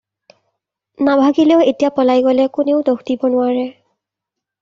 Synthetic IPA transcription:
nabʱaɡileʊetijapɔlajɡɔlɛkuneʊdoxdibɔnʊaɹɛ

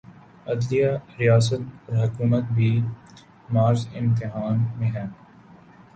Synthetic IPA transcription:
ɐd̪lijaɾijaːs̬ət̪̚ɔːɾɦɐkuːmət̪̚bʱiː | maːɾzɪ̃mt̪ɪɦaːnmẽɦɛ̃ː

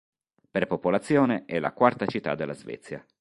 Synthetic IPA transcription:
perpopolat̪sːjoːneɛlːa̰kwart̪at͡ʃit̪ːa̰d̪ːelːazvɛ̰t̪sːja̰

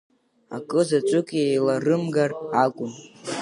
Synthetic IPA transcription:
a̰kʼɨzat͡ʃʷʼʊkʼiejlarɨmɡarakʷʼʊm

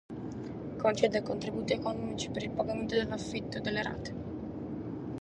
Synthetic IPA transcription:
kont͡ʃɛːd̪ekont̪ɾibuːt̪iekonɔmit͡ʃi̥peɾilpaɡament̪od̪elːafːit̪ːod̪elːeɾa̰ːt̪e̥

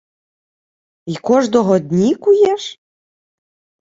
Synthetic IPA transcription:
ikɔʒnɔɦɔd̪ʲnʲikujɛʃ

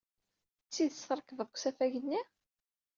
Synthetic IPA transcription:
t͡sːiðəsɑɾˤkəvəðˤkʷsæfæʝənːi

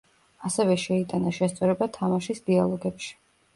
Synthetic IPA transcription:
asɛvɛʃɛit̪ʼanaʃɛst̪sʼɔɾɛbat̪ʰamaʃisd̪ialˠɔɡɛpʃi̥

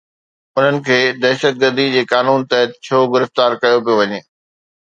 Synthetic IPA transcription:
ʊn̤ənɪ̆kʰeːd̪ɛːʃət̪̚ɡəɾd̪id͡ʑeːkaːnuːnt̪ɐɦət̪̚t͡ɕʰoːɡɪɾɪft̪aːɾkɐjop̬ijoʋɐɲeː

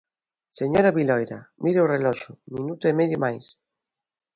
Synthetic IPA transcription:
seɲoɾaβilɔjɾamʔiɾeorelɔʃʊminut̪oemeðjomajs

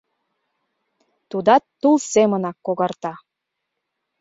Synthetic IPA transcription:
t̪ud̪ɑt̪ːulˠsemənɑkːoɣɑrt̪ɑ

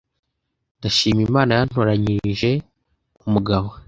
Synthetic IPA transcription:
ndaʃiːmimaːnajan̥hoɾaɲiʒe̞ | umuɡaβo̞

